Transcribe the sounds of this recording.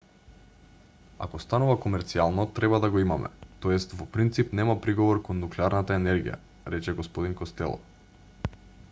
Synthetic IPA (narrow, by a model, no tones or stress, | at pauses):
a̰kɔst̪anuvakomɛɾt̪sialˠnɔt̪ɾɛbad̪aɡoimamɛ̰t̪ojɛst̪vɔpɾint̪sipnɛmapɾiɡɔvɔɾkɔnːuklɛaɾnat̪aɛnɛɾɡḭja̰ | ɾɛt͡ʃɛɡɔspɔd̪iŋkɔst̪ɛ̰lˠɔ̰